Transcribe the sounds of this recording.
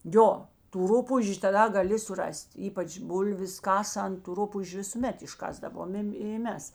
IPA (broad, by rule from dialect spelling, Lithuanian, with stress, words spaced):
ˈjoː tuː ˈrʊpuːʒʲʊ tɐˈdɐ ɡɐˈlʲɪ sʊˈrɐsʲtʲ ˈiːpɐt͡ʃ ˈbʊlʲʋʲɪs ˈkɑːsɐnt tʊ ˈrʊpuːʒʲʊ ʋʲɪsʊˈmʲɛt ɪʃˈkɑːzdɐʋoːmʲeːm ɪ ˈmʲɛs